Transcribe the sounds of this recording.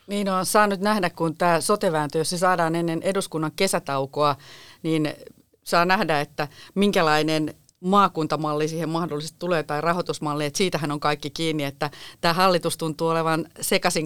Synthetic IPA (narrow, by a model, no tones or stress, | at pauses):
niːnoːnsɑːnyt̪næhdækkunt̪æːsot̪eʋæːnt̪øjosnesɑːdɑːnenːenʔeduskunːɑŋkesæt̪ɑukoɑniːn | sɑːnæhdæet̪ːæmiŋkælɑinen | mɑːkunt̪ɑmɑlːisiːhemmɑhdolːˑisest̪t̪uleːt̪ɑirɑhot̪usmɑlːiːet̪siːt̪æhænoŋkɑikːikiːnːiet̪ːæt̪æːhɑlːit̪ust̪unt̪uːoleʋɑnsekɑsiŋ